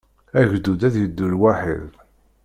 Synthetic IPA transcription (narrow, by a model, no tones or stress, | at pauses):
æʝd̪ːud̪æðjəd̪ːulwaħḭð